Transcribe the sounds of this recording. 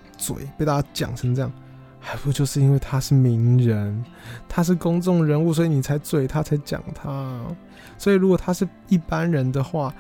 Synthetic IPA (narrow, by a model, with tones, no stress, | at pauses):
t͡swḛ˨˩ɪpe˥˧ɪt̪a˥˩t͡ɕja˥t͡ɕjɑ̰˨˩ŋʈ͡ʂʰə˧˥ŋʈ͡ʂɤ˥˧jɑ˥˨˩ŋ | xa˧˥ɪpu˧˩˥t͡ɕjo˥˧ʊʂɻ̩˥˩˧i˥nwe˥˩ɪt̪ʰa˥ʂɻ̩˥˩mi˧˥ŋɻə˧˦n | t̪ʰa˥ʂ̬ɻ̩˥˩kʊ˥ŋt͡sʊ˥˩ŋɻə˧˥nu˥˨swɔ˧˦˥i˨ni˨˩t͡sʰa˧˥ɪt͡swe˨˩ɪt̪ʰa˦˥t͡sʰa˧˦ɪt͡ɕjɑ̰˨˩ŋt̪ʰa˦ | swɔ˧˥i˨˩ɻu˧˥kwo˨˩t̪ʰa˦ʂɻ̩˥˧ | i˥˩pa˦nɻə˧˦nd̪ə˨xwa˥˩